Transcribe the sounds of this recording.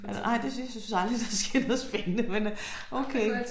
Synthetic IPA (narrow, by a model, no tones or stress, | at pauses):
ænʔɑ̈ɪd̥esjsynn̩sɑ̈ld̥ʁid̥ɑsɡ̥enoːðˠspenəmen | ʔoʊkʰeː